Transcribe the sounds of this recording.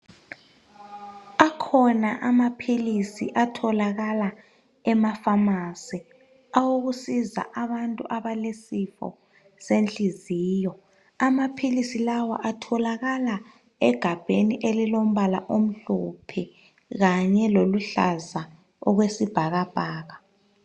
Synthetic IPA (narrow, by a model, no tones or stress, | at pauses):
akʰɔnaʔamapʰilisḭʔatʰɔlaɣala | ɛmafamasi | awoɣusiza̰ʔaβantʼṵʔaβalesifɔ̰ | sent͡ɬʼiziːjɔ | amapʰilisilawa̰ʔatʰɔlaɣala | ɛɡ̥ʱab̥ʱeniʔelilom̩βala̰ʔom̩ɬupʰi | ɣaɲɛloluɬa̰za | ɔ̰ɣwesib̥ʱaɣab̥ʱaːɣa